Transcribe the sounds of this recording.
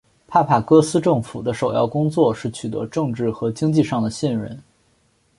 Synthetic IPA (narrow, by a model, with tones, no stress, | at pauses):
pʰa˥˩pʰa˥˩kɤ˥sɹ̩˥ʈ͡ʂɤ˥˩ŋfu˨˩d̪ə˦ʂo˨˩ʊjɑ˥˩ʊkʊ˥ŋt͡swɔ˥˧ʂɻ̩˥˩t͡ɕʰy˨˩t̪ɤ̰˧˥ʈ͡ʂɤ˥˧ŋʈ͡ʂɻ̩˥˩xɤ˧˥t͡ɕi˥ŋt͡ɕi˥˧ʂɑ˥˩ŋd̪ə˩ɕɛ˥˩nɻə̰˥˩n